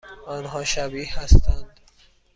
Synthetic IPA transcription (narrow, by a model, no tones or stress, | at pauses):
ɒːnɦɒːʃæbiːhæst̪ænd̪